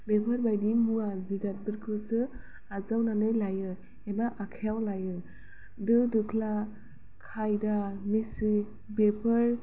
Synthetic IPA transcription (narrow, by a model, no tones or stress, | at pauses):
bepʰaɾbajdimuazidat̚bɯɾkʰɯsɯ | azawnanɯjlajɯ | emaʔakʰijawlajɯ | dɯdɯkʰla | kʰajdamisɯj | bepʰɯɾ